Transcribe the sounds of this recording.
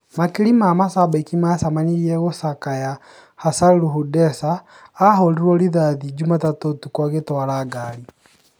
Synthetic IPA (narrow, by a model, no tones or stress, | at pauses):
makilimamasabakimasamaniɾiɛɣosakaja | hasaluhudɛsaː | ɦɔliɾwɔliðaðid͡ʒumatatotukwaɣetwalaɡali